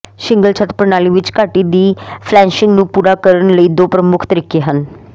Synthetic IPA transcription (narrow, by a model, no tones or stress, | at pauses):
ʃɪ̃ŋɡəlt͡ʃʰət̪pəɾnaːliːʋɪt͡ʃkaːʈiːd̪iːpʰlɛ̃ːnʃɪŋɡnũːpuːɾaːkəɾənləiːd̪oːpɾəmʊkʰt̪əɾɪkeːɦən